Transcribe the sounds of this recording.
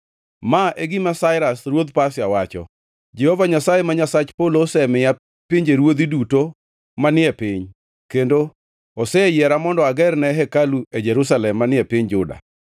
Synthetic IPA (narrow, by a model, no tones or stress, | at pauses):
maʔeɡimasaɪɾasɾwod̪pasjawat͡ʃɔ̰ | d͡ʒɛhɔvaɲasajemaɲasat͡ʃpoloːsɛmɪja | piɲd͡ʒeɾwod̪iduto | manɪɛpɪɲ | kendo | ɔsɛjɛɾamɔndɔaɡɛɾnɛɦɛkalued͡ʒɛɾus̬alɛmːanɪɛpɪɲd͡ʒʊda̰